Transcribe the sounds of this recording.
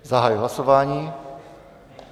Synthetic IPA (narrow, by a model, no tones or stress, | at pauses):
zaɦajuɦlasɔʋaːɲiː